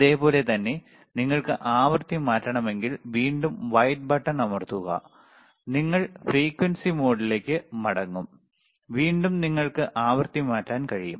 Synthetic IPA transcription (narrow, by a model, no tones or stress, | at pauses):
ɐðe̞ːpo̞ːle̞t̪ɐnːe̞ | niŋːɐɭkɨʔaːʋɐrt̪imaːtːɐɳɐme̞ŋɡilʋiːɳɖumʋɐjʈ̚bɐʈːɐnɐmɐrt̪uɣɐ̰ | niŋːɐɭfriːkwɐnsimo̞ːɽile̞ːkʲːɨmɐɽɐŋːum | ʋiːɳɖumniŋːɐɭkɨʔaːʋɐrt̪imaːtːaːnkɐɻijum